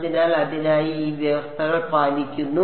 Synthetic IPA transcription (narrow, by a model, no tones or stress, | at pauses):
ðinaːlɐðinaːjiiːʋjɐʋɐst̪ʰɐɣɐɭpaːnikʲːunːu